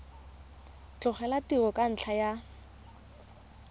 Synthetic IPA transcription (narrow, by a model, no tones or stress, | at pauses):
t͡ɬʊχɛlatiɣɔkʼan̩t͡ɬʰaja